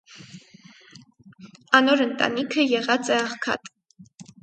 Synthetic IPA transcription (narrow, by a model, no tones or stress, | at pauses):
ɑnɔɾənt̪ɑ̰nikʰəjɛʁɑt͡sɛɑχkʰɑ̰t̪